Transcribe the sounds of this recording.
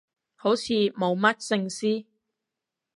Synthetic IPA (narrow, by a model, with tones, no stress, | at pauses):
ho˨˥wt͡sʰiː˨˧mo˨˧wmɐ˥t̚sɪ˧ŋsiː˥